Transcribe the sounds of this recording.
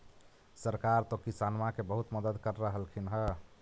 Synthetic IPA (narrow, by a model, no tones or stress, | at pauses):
səɾkaɾt̪ɔkisanmakebəɦut̪məd̪əd̪kəɾːəɦəlkʰinɦə